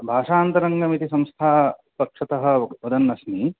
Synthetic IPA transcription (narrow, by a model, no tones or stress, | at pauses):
bʱaːʂaːnt̪ɐɾɐŋɡɐmit̪isɐ̃mst̪ʰaː | pɐkʂɐt̪ɐɦɐ̆ʋɐd̪ɐnːɐsni